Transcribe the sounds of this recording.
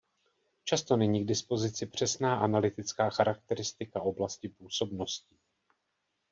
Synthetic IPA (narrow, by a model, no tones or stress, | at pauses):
t͡ʃast̪o̞nɛɲiːɡdɪspo̞zɪt͡sɪpr̝̥ɛsnaːʔanalɪt̪ɪt͡skaːxaɾak̚t̪ɛɾɪst̪ɪkaʔo̞blascɪpuːso̞bno̞scɪ